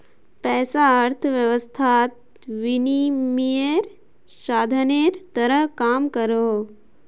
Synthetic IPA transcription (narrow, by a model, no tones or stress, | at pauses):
pɛːsaəɾt̪ʰəʋjɐʋəst̪ʰaːt̪̚ | ʋinimijeɾ | ʃaːd̪ʱəneːɾt̪ɐɾəɦkaːmkɐɾoo